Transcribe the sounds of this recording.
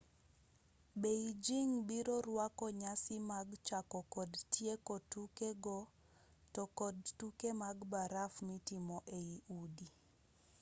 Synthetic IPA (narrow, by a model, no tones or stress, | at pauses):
beid͡ʒiŋbiɾoɾwakɔɲasɪmaɡt͡ʃakɔkɔdtjekotukeɡɔ | tɔkɔdtukemaɡbaɾafmitimɔʔeiʔudi